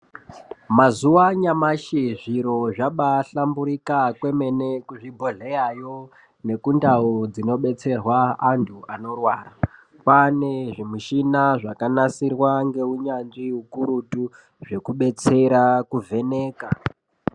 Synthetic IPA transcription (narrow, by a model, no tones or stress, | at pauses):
mazuwaɲamaʃiʐiɾoʐaɓaɬambuɾikakwe̞me̞ne̞kuʐibʱoɮejajo̞ | ne̞kundaud͡zino̞ɓe̞t͡se̞rwaːntʰuano̞rwaːra | paneʐimiʃinaʐakanasirwaŋɡe̞uɲanʐiukuɾutu | ʐe̞kuɓe̞t͡se̞ɾakuvʱe̞ne̞ːka